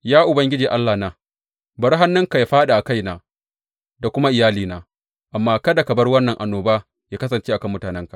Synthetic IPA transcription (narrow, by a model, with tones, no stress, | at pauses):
jaː˦ʔʊ˨bɐ˦ŋɡʲɪ˦d͡ʒiː˨ʔa˦lːaː˨naː˨ | bɐ˦ɾɦa˦nːʊ˦ŋka˨jaː˦ɸaː˦ɗa˨ʔa˨ka˦jnaː˨ | da˨kʷʊ˦ma˦ʔɪ˨jaː˦liː˨naː˨ | ʔa˨mːaː˦kɐ˦da˨kɐ˨bɐ˦rwɐ˦nːɐ˨ŋʔa˨nːoː˨baː˦ | jaː˦kɐ˦sɐ˨nt͡ʃeː˦ʔa˨kɐ˦mːʊ˦taː˨nɛ˦ŋkḁ˨